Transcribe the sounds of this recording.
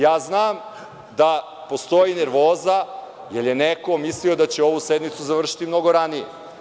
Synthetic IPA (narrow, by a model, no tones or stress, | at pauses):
jaːznaːm | d̪a | po̞st̪o̞jineɾʋo̞ːza | jeɾje̞neko̞misliod̪at͡ɕeo̞ʋused̪mit̪suzaʋr̩ʃi̥t̪imno̞ɡo̞ɾanijḛ